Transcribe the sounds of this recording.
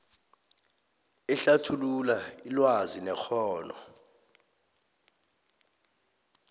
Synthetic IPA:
ɛɬatʰululailwazinɛxʰɔːnɔ

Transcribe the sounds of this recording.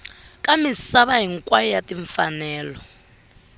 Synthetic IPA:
kʼamisaβaɦiŋkʼwajɔjatʼiɱfanɛːlɔ

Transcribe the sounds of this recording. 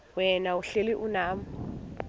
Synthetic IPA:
wɛnauɬeliʔunaːmu

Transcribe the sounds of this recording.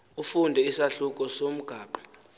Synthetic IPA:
ufundʱɛisaɬuk̬ʼɔsom̩ɡ̥ʱaːɓḁ

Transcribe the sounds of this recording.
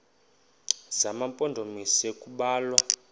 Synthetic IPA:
zamampʼɔndʱomisekʼuɓaːlwa

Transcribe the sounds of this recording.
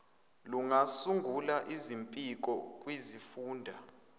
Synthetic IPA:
luŋasuŋɡʱulaʔizimpʼik̬ʼɔkʼwizifuːndʱa

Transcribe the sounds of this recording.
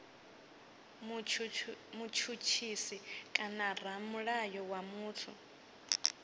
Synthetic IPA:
mut͡ʃʰut͡ʃʰisikʼanar̤amuɺajɔwamuːtʰu

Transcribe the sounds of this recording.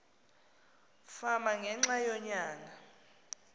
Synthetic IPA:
famaŋʱɛŋ͡ǁajɔɲaːŋa

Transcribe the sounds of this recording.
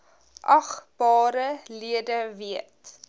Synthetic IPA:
ʔɐχb̥ɑːɾəliədəviət

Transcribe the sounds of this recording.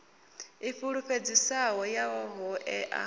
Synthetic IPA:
iɸuɺuɸed͡zisawɔjawɔɦɔʔɛʔa̰

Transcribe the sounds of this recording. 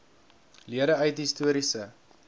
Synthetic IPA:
liəɾəœɥtɦistuəɾisə

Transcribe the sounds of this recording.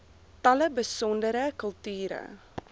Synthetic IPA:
tɐləbəsɔndəɾəkəlˠtyːɾə̰

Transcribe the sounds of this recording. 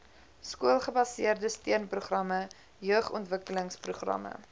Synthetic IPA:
skuəlˠχəbɐsiərdəstiənpruχrɐmə | jœəχɔ̰ntvəkələŋspruχrɐ̰mə̰

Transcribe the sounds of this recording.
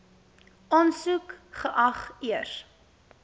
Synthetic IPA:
ʔɑːnsukχəʔɐχiər

